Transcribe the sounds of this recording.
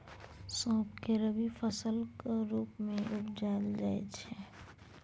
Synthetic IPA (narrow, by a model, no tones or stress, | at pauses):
sɔ̃ːp̚keɾəbifʰəsəlkɾuːpmẽʔʊpd͡ʒaːld͡ʒaːḛt͡ʃʰe